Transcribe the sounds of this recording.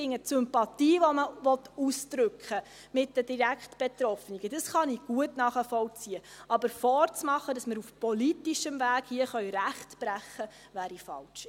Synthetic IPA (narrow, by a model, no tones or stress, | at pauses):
ɪŋətsʏmpɑtiːʋɔməʋɔtusd̥ɾʏkχə | mɪt̚dəd̥iɾækχtb̥ɛt̪ɾɔfniɡəd̥əsχɑniɡ̥uətnɑːχəfɔlt͡siəʔɑbəɾfɔːɾt͡smɑχədɑsməɾufpɔlitiʃəmvæːɡ̥hiəχœʏɾæχtb̥ɾæχːə | ʋæːɾifɑ̰lt͡ʃ